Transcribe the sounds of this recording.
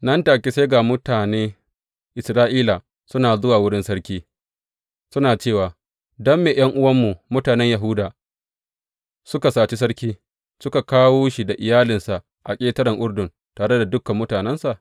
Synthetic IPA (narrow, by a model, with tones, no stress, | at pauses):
nɐ˦ntaː˨kʲe˦se˦ɡa˨mʊ˦taː˨neː˦ | ʔɪ˨sɾaː˦ʔiː˦la˨ | sʊ˦naː˨zʊ˦waː˨wʊ˦ɽɪ˦nsɐ˦ɽkʲiː˦ | sʊ˦naː˨t͡ʃeː˦˨waː˨ | dɔ˦mːeː˨j̰ɐ˦ŋʔʊ˦wɐ˦mːu˨mʊ˦taː˨nɛ˦ɲjɐ˨ɦʊu˦daː˨ | sʊ˦ka˨saː˨t͡ʃi˦s̬ɐ˦ɽkʲiː˦ | sʊ˦ka˨kaː˦woː˦ʃi˨da˨ʔɪ˨jaː˦lɪ˨nsa˨ʔ | ʔa˨kʲʼeː˦tɐ˦ɾɪ˨ŋʔʊ˦ɽdʊ˨n | taː˨ɽe˦da˨dʊ˦kːɐ˨mːʊ˦taː˨nɛ˦nsa˨ʔ